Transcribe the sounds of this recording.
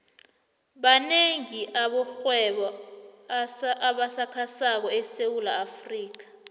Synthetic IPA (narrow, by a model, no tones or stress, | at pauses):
ɓaneŋiʔaɓɔxwɛɓɔ | aɓasakʰasak̬ɔɛsewulaːfriːk̬ḁ